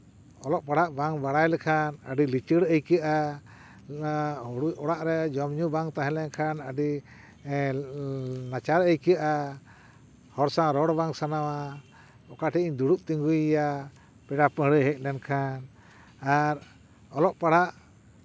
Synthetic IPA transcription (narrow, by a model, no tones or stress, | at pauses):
ɔlɔʔpaɽaʔbaŋbaɽajlɛkʰanə̰ɖilit͡ʃəɽəjkijaʔa | ɽuɔɽaʔɾɛd͡ʒɔmɲubaŋt̪aɦɛ̃lɛkʰanəɖi | nat͡ʃaɾəjkiaʔa | hɔɾsaɾɔɽbaŋsanawa | ɔkaʈʰiiɲd̪uɽuʔt̪iŋɡujja | pɛɖapəɦɽujɦɛk̚ˀnɛnkʰan | aɾ | ɔlɔʔpaɽ̤aʔ